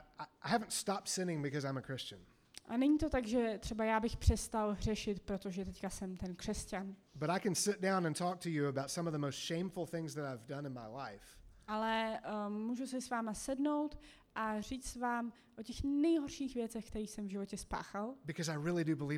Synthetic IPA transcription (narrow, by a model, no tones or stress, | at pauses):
aɪhæṽn̩tstɑp̚tsɪ̃nɪ̃ŋbɨkʌzãɪ̃məkʰɹ̥ɪst͡ʃɨ̃n | ʔa̰nɛɲiːt̪o̞t̪aɡʒɛt̪r̝̥ɛbajaːbɪxpr̝̥ɛst̪alɦr̝ɛʃɪt̪pɾot̪o̞ʒɛt̪ɛckasɛmt̪ɛnkr̥ɛscanb̥ʌɾaɪkɨ̃nsɪt̚d̥ãʊ̃nə̃ntʰɔk̚tʰɨjɨəbaʊtsʌ̃mʌvðəmoʊstʃẽɪ̃ɱfl̩ˠθɪ̃ŋzðɨɾaɪvdʌ̃nɨ̃nmaɪlaɪfʔalɛmuːʒusɪsvaːmasɛdno̞wt̪ | ʔariːt͡ssvaːm | ʔocɛxnɛjɦoɾʃiːxvjɛt͡sɛxkt̪ɛɾiːsɛmvʒɪvo̞cɛspa̰ːxalbɨkʰʌzaɪɹɪlˠidɨbəli